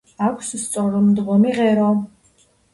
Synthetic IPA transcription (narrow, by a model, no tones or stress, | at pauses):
akʷʰsust͡sʼɔɾɔmd̪ʁɔmiʁɛɾɔ